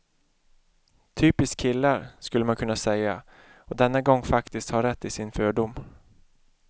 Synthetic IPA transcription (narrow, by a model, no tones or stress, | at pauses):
t̪ʰyːpɪskʰɪlːaɾskɵlːəmankʰɵnːasɛja̰ | ɔd̪ɛnːaɡɔŋːfakt̪ɪst̪haɾɛt̪ːɪsɪnføːɖʊm